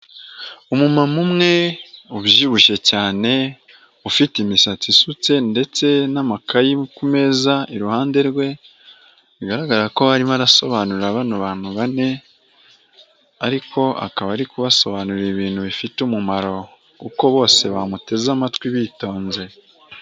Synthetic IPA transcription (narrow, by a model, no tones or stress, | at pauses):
umumamumŋe̞uβjiβuʃe̞caːne̞ | ufitimisat͡sisut͡se̞nde̞t͡se̞namakʰajikume̞ːzaiɾuhaːnde̞ɾɡwe̞ | βiɡaɾaɡaɾako̞βaɾimaɾaso̞βanuɾaβanuβaːn̥huβane̞ | aɾikʰo̞a̰kaβaɾikuβaso̞βanuɾiβiːn̥huβifitumumaɾo̞ | kuko̞βo̞ːse̞βamute̞zamatwiβiːto̞ːnze̞